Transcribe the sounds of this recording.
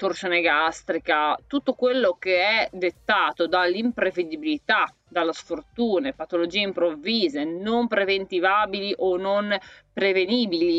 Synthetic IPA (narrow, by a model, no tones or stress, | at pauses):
t̪oɾsoneɡast̪ɾikat̪ut̪ːokwelːokeɛd̪et̪ːaːt̪od̪alːimpɾeved̪ibilit̪a | d̪alːasfort̪uːnepat̪olod͡ʒiːeimpɾoviːzenompɾevent̪ivaːbiliʔononpɾeveniːbili